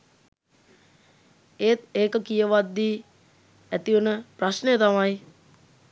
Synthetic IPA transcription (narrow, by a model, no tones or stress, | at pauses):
eːt̪eːkəkijəʋad̪ːiː | æt̪iunəprasnejət̪amaj